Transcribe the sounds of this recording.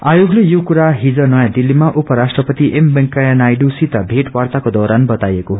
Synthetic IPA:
ajoɡlejokuɾaɦid͡zʌnʌjãd̪ilːimaʔupʌɾasʈrʌpʌt̪iʔembʌŋkajanajɖusit̪ʌbʱeʈwart̪akod̪ɔɾanbʌt̪ajekoɦ

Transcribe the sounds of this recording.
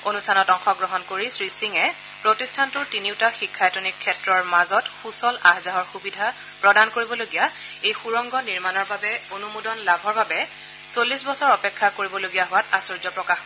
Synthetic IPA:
onustʰanɔtɔŋxɔɡɹɔɦɔnkoɹisɹisiŋɛ | pɹotistʰantʊɹtiniʊtaxikʰːajtonikʰːɛtɹɔɹmazɔtxusɔlaɦzaɦɔɹxubidʱa | pɹɔdankoɹibɔloɡija | ejxuɹɔŋɡɔniɹmanɔɹbabɛonumudɔnlabʱɔɹbabɛ | solːisbɔsɔɹɔpɛkʰːakoɹibɔloɡijaɦʊwatasuɹzɔpɹɔkax

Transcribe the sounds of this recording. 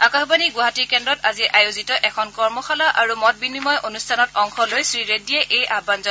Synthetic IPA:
akaxbaniɡuɦatikɛndɔtaziʔajozitɔʔɛkʰɔnkɔɹmɔxalaʔaɹumɔt̚binimɔjʔonustʰanɔt̚ɔŋxʰɔlojsɹiɹedijɛʔejʔabanzɔ

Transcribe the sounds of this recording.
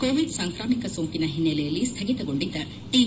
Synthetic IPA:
koːʋiɖsaːŋkɾaːmikɐsoːŋkinɐɦinːelɛjɐlːist̪ʰɐɡit̪ɐɡo̞ɳɖid̪ːɐ | ʈiː

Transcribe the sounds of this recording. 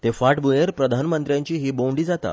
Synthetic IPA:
t̪efaʈbujeɾpɾəd̪ʱanmənt̪ɾjaɲt͡ɕiːɦiːboɳɖiːd͡zat̪a̰

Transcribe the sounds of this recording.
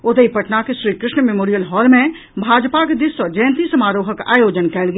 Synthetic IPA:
ʊt̪eipəʈnakeʃɾiːkɾɪʃɳəmemoːɾijəlɦɔːlmẽ | bʱaːd͡ʒpaked̪ɪsɔd͡ʒəjənt̪isəmaːɾoːɦəka̰ːjoːd͡ʒənkɛːlɡ

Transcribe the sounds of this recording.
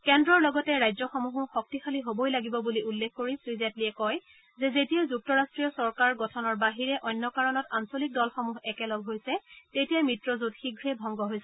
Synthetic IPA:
kɛndɹɔɹlɔɡɔtɛɹajzɔxɔmuɦuxɔk̚tixaliɦobojlaɡibɔbuliulːekʰːkoɹisɹizatliɛkɔj | zɛzetijazuk̚tɔɹastɹijɔsɔɹkaɹɡɔtʰɔnɔɹbaɦiɹɛʔɔjnːɔkaɹɔnɔtansolik̚dɔlxɔmuɦɛkɛlɔɡɦojsɛtetijamɹitɹɔzudxiɡʱɹɛbʱɔŋɡɔɦojsɛ

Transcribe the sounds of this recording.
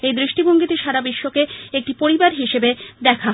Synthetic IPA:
ejd̪ɾiʃʈiboŋɡit̪eʃaɾabiʃːokeek̚ʈipoɾibaɾɦiʃebed̪ɛkʰa

